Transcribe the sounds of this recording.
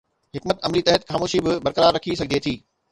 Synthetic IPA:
ɦɪkmət̪ɐmlit̪ɐɦət̪xaːmoːʃibɪbɐɾkəɾaːɾːɐkʰisɐɡ̚ʱd̪iet̪ʰiː

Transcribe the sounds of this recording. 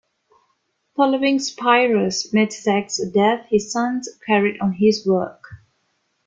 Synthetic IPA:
fɔloɪ̃ŋspʰaɪɹəsmetsæksdɛθhɪz̥sʌ̃nzkʰɛɹidɔ̃n̩ɦɪzwɜk

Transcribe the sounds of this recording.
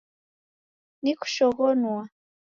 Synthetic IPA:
niku̥ʃɔɣɔnwa

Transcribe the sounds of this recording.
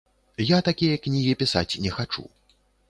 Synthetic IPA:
jat̪akʲijɐknʲiɣʲipʲisa̰t͡sʲnʲɛxat͡ʂṵ

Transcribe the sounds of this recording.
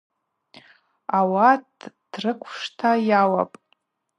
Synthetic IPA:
awadd̥rɨkʷʰʂtʰajawa̰pʼ

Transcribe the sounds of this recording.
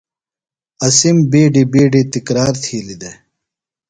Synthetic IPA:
ɐsimbeːɖibeːɖit̪ikɾaːɾt̪ʰiːlid̪e

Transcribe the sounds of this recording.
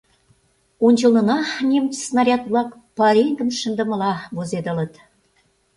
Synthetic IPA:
unʲt͡ɕɤ̆lnɤ̆nɑnʲemt͡ɕsnɑɾʲɑt̪βlɑkpɑɾeŋɡə̆nʃə̆nd̪ə̆mə̆lɑβozed̪ə̆lə̆t̪

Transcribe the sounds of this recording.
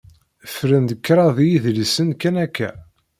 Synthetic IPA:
fɾənd̪əkːɾˤɑðijiðlisənkːænækːæ̰

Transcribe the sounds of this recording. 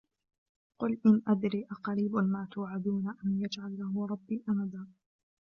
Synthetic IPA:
qʊlʔɪnʔad̪ɾiːʔaqɑɾiːbʊnmaːt̪ʊːʕad̪uːnaʔanjad͡ʒʕalːahʊɾˤɑbːiːʔanad̪aː

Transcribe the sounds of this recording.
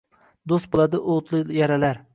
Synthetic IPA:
d̪ost̪̚bolˠad̪ɪʔot̪lˠɨjaɾalaɾ

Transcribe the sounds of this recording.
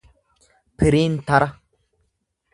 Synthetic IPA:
pɨɾin̩taɾʔa

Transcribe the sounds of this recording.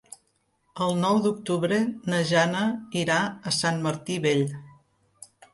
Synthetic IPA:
əlˠnɔwd̪uk̚t̪uβɾenəʒanəiɾaəsanməɾt̪iβeʎ

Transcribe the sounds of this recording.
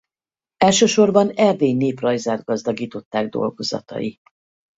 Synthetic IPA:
ɛlʃøːʃo̞rbɒnɛrd̪eːjneːprɒjzaːr̚ɡɒzd̪ɒɡiːt̪o̞t̪ːaːɡd̪o̞̰lɡo̞zɒ̰t̪ɒ̰ji

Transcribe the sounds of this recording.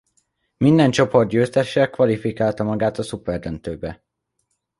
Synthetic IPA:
mind̪ɛnt͡ʃo̞po̞rd̪ɟøːst̪ɛʃɛkʋɒlifikaːlt̪ɒmɒɡaːt̪ɒsupɛrd̪ønt̪øːbɛ

